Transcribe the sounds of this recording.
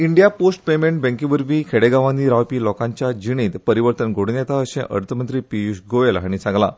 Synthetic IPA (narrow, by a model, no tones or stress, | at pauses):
iɳɖijaposʈpemeɳʈ̚bɛ̃ŋkibəɾʋiːkʰeɽeɡaʋand̪iɾaʋpiːlɔkãɲt͡ɕjad͡ʑiɽ̃iːt̪pəɾiʋəɾt̪ənɡʱoɽnjɛt̪aəɕḛ̃ʔə̰ɾt̪ʰəmənt̪ɾiːpiusɡoelɦaɽ̃it͡sãŋɡla̰